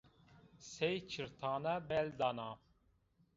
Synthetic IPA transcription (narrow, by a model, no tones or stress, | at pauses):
sejt͡ʃʰiɾt̪ʰaːnabɛld̪anaː